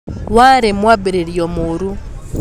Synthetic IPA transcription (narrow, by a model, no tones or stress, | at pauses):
waːɾemwabiɾeɾjomuɾu